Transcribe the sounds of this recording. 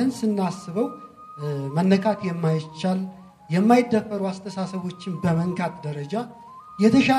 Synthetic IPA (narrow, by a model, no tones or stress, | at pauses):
ɨnsɨnːasːɨβəw | mənːəkʼakjɛmːajɪt͡ʃːal | jɛmːajɪd̪ːəfːəɾuast̪ʰəsasəβo̞t͡ʃːɪnbəməŋkʰʼat̪d̪əɾəd͡ʒa | jɛt̪ʰəʃa